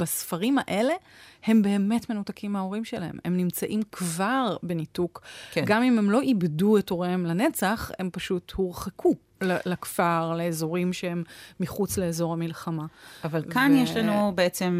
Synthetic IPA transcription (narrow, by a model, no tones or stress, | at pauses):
b̥asfaʁimaʔe̞le̞he̞mbe̞ːme̞tme̞nutakʰimeao̞ʁimʃelahe̞̰memnimt͡saʔimkvaʁbe̞nitukkɡamime̞mlo̞ʔibdueto̞ʁemlane̞t͡saχe̞mpaʃuthuʁχekʰu | lalakfaʁleːzo̞ʁimʃehe̞mːiχut͡sle̞eːzo̞ʁamilχamaavalkanjeʃlanubeet͡sem